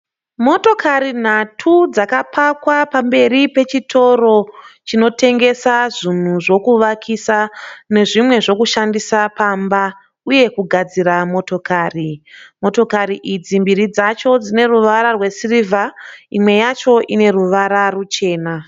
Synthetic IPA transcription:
mo̞to̞kaɾin̤atʰud͡zakapʰakwapambe̞ɾipe̞t͡ʃitʰo̞ɾo̞t͡ʃino̞te̞ŋɡe̞saʐin̤uʐo̞kuʋakʰisane̞ʐimwe̞ʐo̞kuʃandisapamba | uje̞kuɡʱad͡ziɾamo̞to̞kaːrimo̞to̞kaɾiʔid͡zimbiɾid͡zat͡ʃo̞d͡zine̞ruʋaɾarwe̞sirivʱaimwe̞jat͡ʃo̞ʔine̞ruʋaɾarut͡ʃe̞ːna

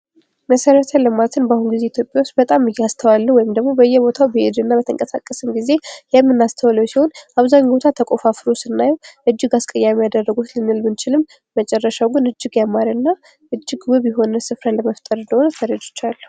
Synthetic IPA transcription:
məsəɾət̪ʰələmalt̪ʰɨnbahunɡize̞it̪ʰjo̞pʼjawust̪bət̪ʼamɨjːɛast̪ʰəwalːəwɔjɪmd̪əɡmo̞bəjːɛbo̞t̪ʰawbəḛd̪ɨnːabət̪ʰə̰ŋkʼəsa̰kʼːəsɨmɡize̞jɛmːɨnːast̪ʰəwləwsiho̞nʔaβzaɲːbo̞t̪ʰat̪ʰəkʼo̞fafɾosɨnːajɛwʔɨd͡ʒːɪɡaskʼəjːamejad̪ərːəɡut̪lɨnːɨlmɨnt͡ʃʰɪlɨmː | ət͡ʃʼɛrːəʃawɡɨnɨd͡ʒːɪɡjamːaɾɨnːa | ʔɨd͡ʒːɪɡwɨβjɪɦo̞nəsɨfɾənləməft̪ʼəɾɨnd̪əhonət̪ʰəɾəd͡ʒ̪ɨt͡ʃːalːə

